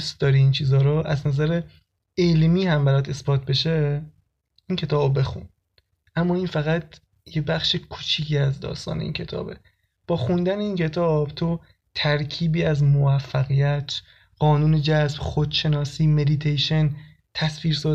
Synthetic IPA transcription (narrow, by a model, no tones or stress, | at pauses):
st̪̚d̪ɒːɾiiːnt͡ʃʰiːzɒːɾoʔæznæzæɾe | elmiːhæmbæɾɒːd̪e̞sbɒːt̪̚ʰbe̞ʃe | ʔincʰe̞t̪ʰɒːbbe̞xṵn | ʔæmːɒːinfæɣæt̪ | jebæxʃikʰuːt͡ʃʰiːcʰiːæzd̪ɒ̰ːst̪ɒ̰ːne̞ḭːncʰe̞t̪ʰɒ̰ːbḛ | b̥ɒːxund̪æneiːncʰe̞t̪ʰɒːb̥t̪ʰo | t̪ʰæɾcʰiːbiːæzmovæfːæɣijæt̪ʰ | ɢ̥ɒːnuːned͡ʒæsb̥xod̪̥ʃe̞nɒːsiːme̞d̪it̪ʰejʃen | t̪ʰæsfiːɾsɒː